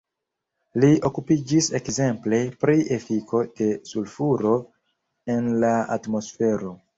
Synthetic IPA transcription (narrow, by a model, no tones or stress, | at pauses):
lio̞kupid͡ʒise̞kze̞mple̞pɾiʔefikʰo̞d̥e̞sulfuɾo̞ | e̞nlaa̰tmo̞sfe̞ɾo̞